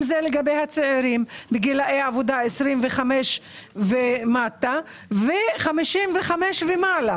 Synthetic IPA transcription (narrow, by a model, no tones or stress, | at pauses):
zeleɡabejhat͡seʕiɾimbeɡilaejaavod̪aesʁimveχameʃ | vemat̪a | veχamiʃimveχameʃvemala